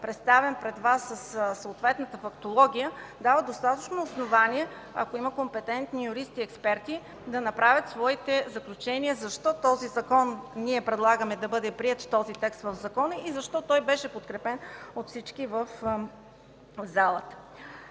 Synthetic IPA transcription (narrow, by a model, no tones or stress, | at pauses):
pɾɛt̪st̪avɛnpɾɛd̪vasːəssoːt̪vɛt̪nət̪əfɐkt̪olˠɔɡʲijəd̪avəd̪ost̪at̪ət͡ʃnoːsnovaniɛ | ɐ̰koiməkompɛt̪ɛnt̪nijʊɾist̪iɛkspɛɾt̪i | d̪ɐnɐpɾavʲət̪svɔit̪ɛzɐklʲut͡ʃɛniəzɐʃt̪ɔt̪ɔzizɐkɔnniɛpɾɛd̪lˠaɡəmɛd̪ɐbɤd̪ɛpɾiɛt̪ft̪ɔzit̪ɛkst̪vəvzɐkɔnəizɐʃt̪ɔt̪ɔjbɛʃɛpot̪kɾɛpɛnot̪fsit͡ʃkivəf | zalˠət̪ə̥